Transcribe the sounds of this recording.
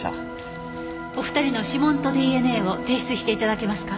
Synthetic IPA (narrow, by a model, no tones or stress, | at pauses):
o̞ɸɯ̟̥t̪aɾʲino̞ɕimõ̞nt̪o̞d̪iːe̞ne̞ːo̞t̪e̞ːɕi̥t͡sɨɕi̥t̪eit̪ad̪ake̞masɨ̥ka